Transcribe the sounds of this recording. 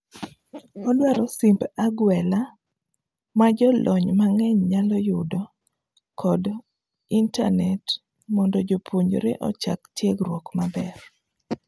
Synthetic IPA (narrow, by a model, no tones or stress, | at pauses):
ɔdwaɾɔsimbaɡwɛla | mad͡ʒɔlʔɔɲmaŋɛɲɲalɔjʊdɔ | kʰɔd | inta̰nɛt | mɔndɔd͡ʒopʰoɲɾḛʔɔt͡ʃa̰ktjeɡrwɔkmabɛr